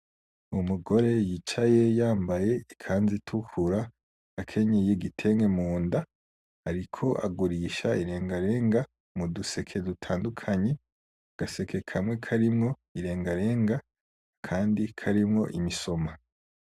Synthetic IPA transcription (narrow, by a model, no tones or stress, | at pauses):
umuɡo̞ɾe̞jiːt͡ʃaje̞jaːmbaje̞ikʰaːnzitʰukʰuɾa | ɡ̥akʰe̞ɲejiɡitʰe̞ŋɡe̞muːnda | aɾikʰo̞ʔa̰ɡuɾiːʃaiɾe̞ːŋɡaɾe̞ːŋɡa | muduse̞kʰe̞dutʰaːndukʰaɲe̞ | ɡ̥ase̞kʰe̞kʰamwe̞kʰaɾimŋo̞ | iɾe̞ːŋɡaɾe̞ːŋɡa | kʰaːndikʰaɾimŋo̞ʔimiso̞ma